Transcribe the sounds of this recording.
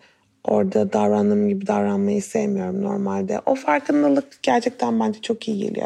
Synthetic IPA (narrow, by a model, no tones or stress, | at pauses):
o̞ɾd̪ad̪avɾand̪ɯːmɟibid̪avɾanmajɯisejmijo̞ɾumno̞ɾmalʲd̪ɛ̰ʔo̞faɾkʰɯnd̪ˠɯlˠɯk̚ɟ̥æɾt͡ʃʰɛc̚t̪ʰænbænd͡ʒɛt͡ʃʰo̞kijiɟḛlʲḭj